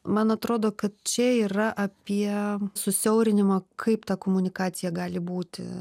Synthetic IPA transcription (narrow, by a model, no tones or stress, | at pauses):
mɐnɐt̪ɾoːd̪oːkɐt̪̚t͡ʃʲɛiːrɐʔɐpʲiɛsʊsʲɛʊɾʲɪnʲɪmɐkʰɐɪpt̪ɑːkoːmʊnʲɪkɑːt̪ʲɪjɛɡɑːlʲɪbuːt̪ʲɪ̰